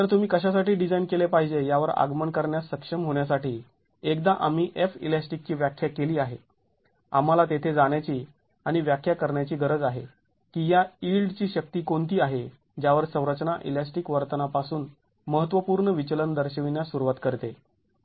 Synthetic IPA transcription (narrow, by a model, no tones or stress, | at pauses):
t̪əɾt̪um̤iːkəɕ̬as̬aʈiːɖid͡zainkelepaɦid͡ʑejaʋəɾa̰ɡməɳkəɾɳjasəkʂəmɦoɳjas̬aʈiː | ekd̪aʔamiːʔefḭlasʈik̚t͡ɕiːʋjakʰːjakeliːaɦe | a̰m̤alat̪et̪ʰed͡zaɳjat͡ɕiː | aɽ̃iʋjakʰːjakəɾɳjat͡ɕiːɡəɾəd͡zaɦe | kiːjaiɭɖt͡ɕiːɕək̚t̪iːkoɳt̪ʰiːaɦe | d͡ʑjaʋəɾsə̃w̃ɾət͡ɕnaʔḭlasʈikʋəɾt̪ənapasuːn | məɦət̪ʋəpuːɾɳəʋit͡ɕələnd̪əɾɕəʋinjasuɾʋat̪kəɾt̪e